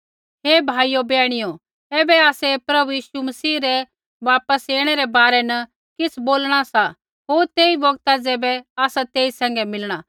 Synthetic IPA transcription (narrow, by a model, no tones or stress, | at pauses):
ɦebʱaːijobɛːɽ̃ɪjo | eːbɛaːsɛpɾɐbujiːʃumɐsiːɾɛ | ʋaːpəseːɽ̃ɛɾɛbaːɾɛnɐ | kɪsʰboːlɽ̃asa | ɦoːɾt̪eːibɔɡt̪ad͡zɛːbɛaːsat̪eːisɛ̃ːŋɡɛmɪlɽ̃a